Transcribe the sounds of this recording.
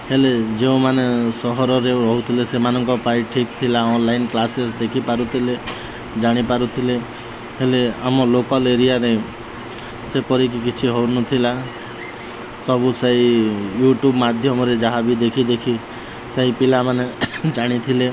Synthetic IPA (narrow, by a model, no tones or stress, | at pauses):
heled͡ʒeũmanesɔɦɔɾɔɾeɾɔɦut̪ʰilesemanɔŋkɔpaiʈʰik̚t̪ʰilaɔnlainklasesd̪ekʰipaɾut̪ʰile | d͡ʒaɽ̃ipaɾut̪ʰile | ɦeleamɔlokɔleɾijaɾe | sepɔɾik̬ikit͡ʃʰiɦɔwnɔt̪ʰila | sɔbuseijuʈjubmad̪ʱjɔmɔɾed͡ʒaɦabid̪ekʰid̪ekʰi | seɦipilamaned͡ʒaɽ̃it̪ʰile